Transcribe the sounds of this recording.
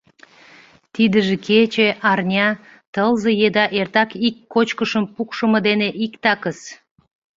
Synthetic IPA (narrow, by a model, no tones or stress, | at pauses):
t̪id̪əʒĕkʰet͡ɕeʔɑrnʲɑ | t̪əlzəjed̪ɑʔert̪ɑkikːot͡ɕkəʃəmpukʃə̆mə̆d̪eneʔikt̪ɑkəs